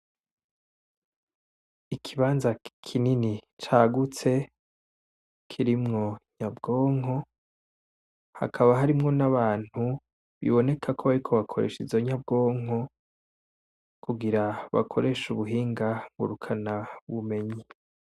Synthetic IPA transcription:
ikʰiβaːnzakʰininit͡ʃaɡut͡se̞ | kʰiɾimŋo̞ɲabɡo̞ːŋo̞ | ha̰kʰaβaɦaɾimŋo̞naβaːn̥hu | βḭβo̞ne̞kʰakʰoβaɾikʰo̞βakʰo̞ɾḛʃizoɲab̚ɡo̞ːŋo̞ | kʰuɡiɾaβa̰kʰo̞ɾʔe̞ʃuβuɦiːŋɡaŋɡṵɾukʰanaβume̞ɲi

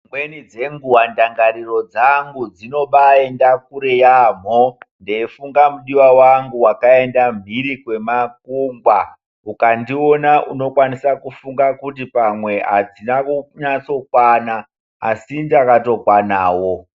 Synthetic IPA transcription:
mwe̞nid͡ze̞ŋɡuwandaŋɡaɾiro̞d͡zaŋɡud͡zino̞ɓae̞ndak̚uɾejam̤ondeːfuŋɡamuɗiwawaŋɡuwakae̞ndam̤iɾikwe̞makuŋɡwa | ukandio̞naʔuno̞kwanisakufuŋɡakut̬ipamwe̞ɦa̰d͡zinauɲat͡so̞kwana | a̰ːsindakato̞kwanaːwo̞

